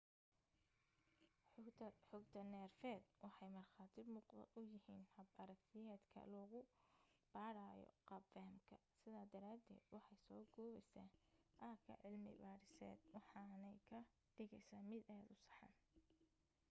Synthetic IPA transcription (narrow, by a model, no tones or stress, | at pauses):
ħʰɐħɔɡt̪ʰɐnɛːrfɛːd̪̚wɑħɑjmɐrχɑːt̪ʰɪmʊːqɐ̰ʊjɪhiːnhɐbɐɾɐkt̪ʰɪjɛːd̪kʰɐ̰lɔːɣʊb̥aːɾaːjɔ̰qɑbɛːmkʰɐsɪðaːd̪ɐɾaːd̪ɛ̰ːd̪wɑħɑjsɔːɡɔːβɛjsaːʔɐkʰɐ̰ʕɪlmɪ̰baːɾɪsɛ̰ːd̪wɑħɑnɛjkʰɐ | ɖ̥ɪɣɛjsaːmɪd̪aːd̪ʊsɑ̥ħɑ̰ːn